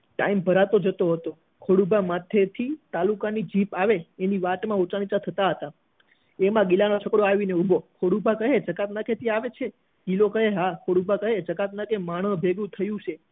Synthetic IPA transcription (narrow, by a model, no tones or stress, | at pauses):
ʈa̰imbʱəɾat̪od͡ʒət̪oɦət̪o | kʰoɽubamat̪ʰet̪ʰit̪alukanid͡ʒipaʋeeniʋaʈmãut͡ʃaɽ̃it͡ʃat̪ʰət̪aɦət̪a | emãɡilanot͡ʃʰəkɽoaʋineubʱokʰoɽubʱakəɦed͡ʒəkat̪nakʰet̪ʰiaʋet͡ʃʰe | ɡilokəɦeɦakʰoɽubʱakəɦed͡ʒəkat̪nakemaɽ̃ə̃bʱeɡũt̪ʰəjũt͡ʃʰe